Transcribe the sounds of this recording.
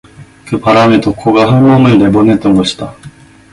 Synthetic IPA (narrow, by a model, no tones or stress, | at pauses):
kɯpaɾamet̪okʰːoɡaɦɯmomɯ̃nd̪ebonet̪omoɕi̥t̪a